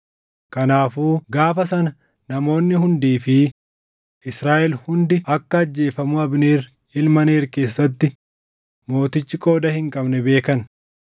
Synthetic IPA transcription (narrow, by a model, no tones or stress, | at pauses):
kɐnaːfuːɡaːfɐsɐnɐ | nɐmo̞ːnːɪɦʊnd̪iːfɪ | ʔɪsɾaːʔɛlhʊnd̪ɪɐkːɐɐd͡ʒːe̞ːfɐmʊɐbneːr | ɪlmɐneːɾke̞ːsːɐt̪ːɪ | mo̞ːt̪ɪt͡ʃːɪkʼo̞ːd̪ɐhɪŋkʼɐbnɛbe̞ːkɐn